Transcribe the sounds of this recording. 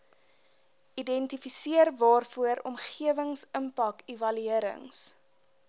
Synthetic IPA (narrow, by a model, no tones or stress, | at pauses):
idɛntifisiərvɑːrfuəɾɔ̰mχiəvəŋsəmpɐkivɐlyiəɾə̰ŋs